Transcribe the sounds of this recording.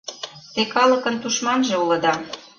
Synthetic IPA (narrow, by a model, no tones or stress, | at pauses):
t̪ekɑlə̆kə̆nt̪uʃmɑnʒĕulɤ̆d̪ɑ